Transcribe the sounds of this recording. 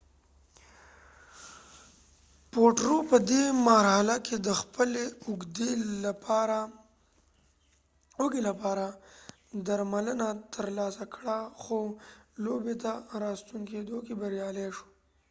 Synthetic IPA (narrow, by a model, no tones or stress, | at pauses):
poʈɾopəd̪emaɾhalakʰed̪əxpəleʊɡd̪epɾa | oɡelapɑɾa | d̪aɾmalənat̪ʰəɾlɑsakɽaxolobet̪aɾɑst̪uŋked̪okebəɾjɑleʂo̥